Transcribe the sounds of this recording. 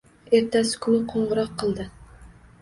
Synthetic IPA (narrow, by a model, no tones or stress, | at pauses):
e̞ɾt̪asɪ̥kʲʰʊnɪqʰoɴʁəɾɑqʰːɨlˠd̪ɪ